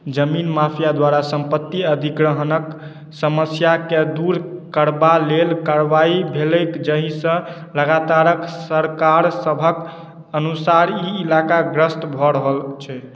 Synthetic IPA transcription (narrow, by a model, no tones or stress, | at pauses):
d͡ʒəminmapʰjad̪waɾasəmpət̪ːiəd̪ʱiɡɾəɦnək | səməsjaked̪uɾkəɾbalelkaɾbaibʱeləkd͡ʒəɦĩsə̃ləɡat̪aɾəksəɾkaɾsəbʱək | ənusaɾiːlakaɡɾəsʈ̪bʱɔɾəɦəlt͡ʃʰɛ